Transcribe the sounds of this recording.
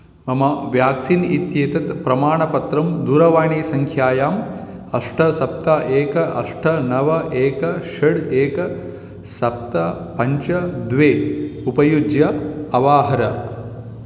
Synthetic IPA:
mɐmɐʋjaːksinit̪jeːt̪ɐt̪pɾɐmaːɳɐpɐt̪ɾɐmd̪uːɾɐʋaːɳiːsɐŋkʰjaːjaːm | ɐʂʈʰɐsɐp̚t̪aʔeːkɐʔɐ̰ʂʈʰɐnɐʋɐʔeːkɐʃɐɽeːkɐ | sɐp̚t̪ɐpɐɲt͡ʃɐd̪ʋeːupɐjud͡ʒjɐɐʋaːɦɐɾɐ

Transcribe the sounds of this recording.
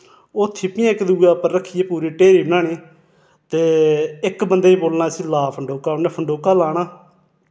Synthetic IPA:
oːt̪ʰːɪpɪ̃ãːɪkd̪uːɡaːpəɾɾəkʰːiːeːpuːɾiːʈeːɾiːbənaːneː | t̪eːɪkbənd̪eːiːboːlnaːsĩːlaːpʰəɳɖoːkaːʊnẽːpʰəɳɖoːkaːlaːɳ̃aː

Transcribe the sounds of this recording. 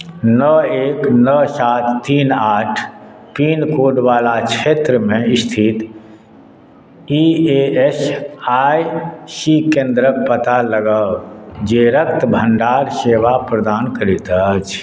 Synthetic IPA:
nəeknəsat̪ʰːiːnaʈʰ | pinkoɖʋalat͡ʃʰet̪ɾəmẽist̪ʰit̪ | ieesajsikẽnd̪ɾək̚pət̪aləɡəd͡ʒeɾək̚t̪bʱə̃ɳɖaɾseʋapɾəd̪aːnkəɾit̪ət͡ʃʰ

